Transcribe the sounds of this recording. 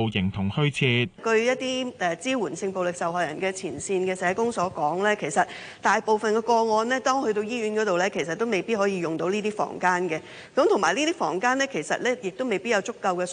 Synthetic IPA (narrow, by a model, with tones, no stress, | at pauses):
wjɪ˨˩ŋt̪ʰʊ˨˩ŋhɵ˥ɥt͡sʰiː˧t̚kɵ˧ɥjɐ˥t̚t̪ːiː˥ɛ˧t͡siː˥wuː˨˩nsɪ˧ŋpo˨wlɪ˨k̚sɐ˨wɦɔː˨˩jɐ̰˨˩nkɛː˧t͡sʰiː˨˩nsiː˧nkɛː˧sɛː˨˧˥kʊ˥ŋsɔː˨˥kɔː˨˥ŋlɛː˥kʰe˨˩jsɐ˨t̚ | t̪aː˨jpo˨wfɐ˨nkɛː˧kɔː˧ŋɔː˧nlɛː˥t̪ɔː˥ŋhɵ˧t̪o˧wjiː˥ɥyː˨˥nkɔː˨˥t̪o˨wlɛː˥kʰe˨˩jsɐ˨t̚ːo˥wme˨jpiː˥t̚hɔː˨˥jiː˧jʊ˨ŋt̪o˨˥wniː˥t̪iː˥fɔ̰ː˨˩ŋkaː˥nkɛː˧ | kɐ˨˥mt̪ʰʊ˨˩ŋmaː˨jlniː˥t̪iː˥fɔ̰ː˨˩ŋkaː˥nlɛː˥kʰe˨˩jsɐ̰˨t̚lɛː˥jɪ˨k̚t̪o˥wme˨jpiː˥t̚jɐ˨˧wt͡sʊ˥kːɐ˧wkɛː˧